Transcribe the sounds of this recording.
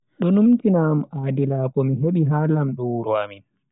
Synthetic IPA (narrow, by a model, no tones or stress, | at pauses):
ɗɔnumtinamʔaːdilakɔmiɦeɓiɦalamɗuwɾɔa̰min